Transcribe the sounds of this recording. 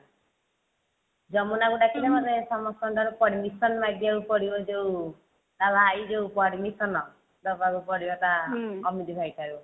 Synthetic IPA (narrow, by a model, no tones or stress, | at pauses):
d͡ʒɔmunaɡuɖakʰinɛmɔd̪esɔmɔst̪ɔɳʈaɾupɔɽimisɔnmajd̪iaɾupɔɽibɔd͡ʒeu | d̪alaːjd͡ʒewpɔɽimisɔnɔ | d̪ɔbaɾupɔɽibat̪aɔmid̪ibʱajʈaɾu